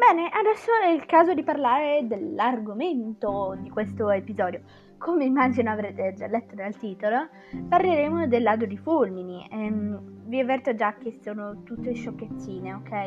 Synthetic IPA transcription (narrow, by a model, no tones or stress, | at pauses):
bɛːneʔad̪ɛsːoɛilkaːzod̪iparlaːɾed̪elarɡoment̪od̪ikwest̪oepizɔːd̪jo | komeimːaːd͡ʒinoavɾeːt̪ed͡ʒalːɛt̪ːonealt̪iːt̪olo | parleɾeːmod̪elːaːd̪od̪ifulminiɛmviavːɛrt̪od͡ʒak̟ːesoːnot̪ut̪ːeiʃːokːet̪sːiːneokːɛj